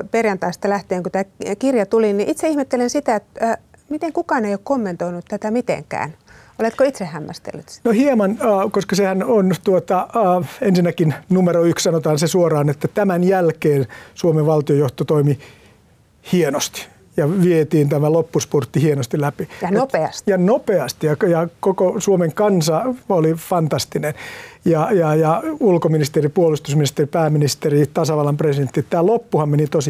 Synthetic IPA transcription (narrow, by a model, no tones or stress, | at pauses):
perjɑnt̪ɑist̪ɑlæht̪eːŋkut̪æːkirjɑt̪uliniʔit̪seihmet̪ːelensit̪æet̪ː | mit̪eŋkukɑːneijoːkkomːent̪oinut̪t̪æt̪æmit̪ḛŋkæ̰ːn | olet̪koit̪sehhːæmːæ̰st̪ḛlːyt̪nohiemɑnːkoskɑsehænont̪uot̪ɑːensinːækinnumeɾoykssɑnot̪ɑːnsesuorɑːnet̪ːæt̪æmænjælkeːnsuomeʋʋɑlt̪iojoht̪ot̪oimi | hienost̪i̥ | jɑʋiet̪iːnt̪æmælopːuspurt̪ːihienost̪ilæpieɑsjɑnopeɑst̪ijɑkjɑkokosuomeŋkɑnsɑolifɑnt̪ɑst̪inenjɑjɑjɑulkominist̪eripuolust̪usminist̪eripæːminist̪erit̪ɑsɑʋɑlɑmpresident̪ːiet̪t̪æːlopːuhɑmmenit̪osi